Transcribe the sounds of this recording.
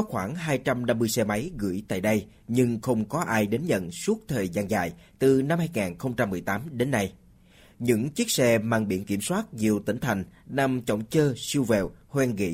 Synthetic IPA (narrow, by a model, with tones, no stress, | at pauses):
kɔ˨˦xwaː˧˩ŋɦaː˧jt͡ɕa˧mna˧mːɨ˧jsɛ˧ma˨˦jɣɨ̰˧˩jt̪a̰ː˧˨jɗə˧j | ɲɨ˧ŋxə˧wŋ͡mkɔ˨˦ʔaː˧jɗe˨˦nzə̰˧˨nsu˦˥ək̚t̪ʰəː˨˩jzaː˧nza̰ː˧˨jt̪ɨ˨˩na˧mhaː˧jŋaː˨˩nxə˧wŋ͡mt͡ɕa˧mːɨ˨˩əjt̪aː˨˦mɗe˨˦nːa˧j | ɲɨ̰˧˥ŋt͡ɕi˦˥ək̚sɛ˧maː˧˨ŋɓḭ˧˩ənki˧˩əmswaː˦˥t̚zi˨˩əwt̪ï˧˩ŋ̟t̪ʰa˨˩jŋ̟na˧mt͡ɕə̰˧˨wŋ͡mt͡ɕəː˧si˧əwvɛ˨˩whwɛ˧nɣḭ˧˥